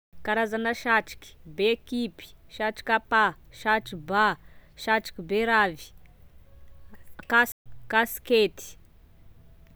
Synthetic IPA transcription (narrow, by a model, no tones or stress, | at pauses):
kaɾazanəʃaʈ͡ʂi̥kʲi̥beekipi̥ʃaʈ͡ʂi̥kʲapaʃaʈ͡ʂibaʃaʈ͡ʂi̥kʲibeɾavi̥ | kakasket̪i̥